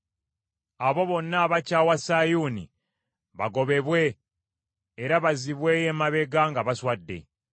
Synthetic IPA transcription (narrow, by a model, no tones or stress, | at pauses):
aβo̞βo̞nːaːβacawasajunḭ | βa̰ɡo̞βe̞βwe̞ | ɾaβaziβwejemaβe̞ɡaŋɡaβaswadːe̞̰